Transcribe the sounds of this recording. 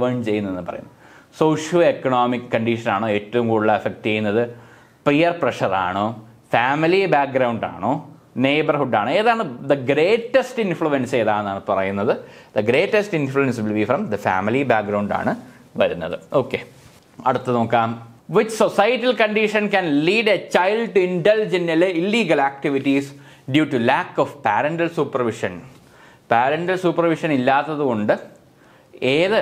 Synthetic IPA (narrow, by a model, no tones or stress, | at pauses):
ʋɐɳt͡ɕe̞junːɐenːɨpɐrɐ̰junːɐ | so̞ːʂjɐlekːɐɳoːmikːɐɳɖiʂɐnaːɳoːeːtːɐʋumkuːɽilːɐɐfek̚ʈt͡ɕe̞junːɐðɨ | prijɐrprɐʂɐra̰ːɳoː | faːmilibaːk̚ɡɾɐwɳɖa̰ːɳoː | neːbɐrhuɖaːɳɨeːðaːɳɨd̪ɐɡɾeːʈːɐsʈinfɭuenseːðaːenːaːɳɨpɐrɐjunːɐðɨd̪ɐɡɾe̞ːʈːɐsʈinfluenslʋifrɐmd̪ɐfa̰ːmilibaːk̚ɡɾɐwɳɖa̰ːɳɨ | ʋɐɾunːɐ̰ðɨo̞ːkːe | ɐ̰ɽut̪ːɨno̞ːkːaːm | ʋit͡ɕsosɐjɐʈːilkɐɳɖiʂɐnkænliːɖet͡ɕajlɖʈuinɖɐld͡ʑɐnililːiːɡɐlaːk̚ʈiʋiʈːis | ɖjuːʈːulaːkːofpaːɾɐɳɖɐlsuːpːɐrʋiʂɐn | paːɾɐɳɖɐlsupɐrʋiʂɐnilːaːt̪ːɐðuko̞ɳɖɨ | eːðɨ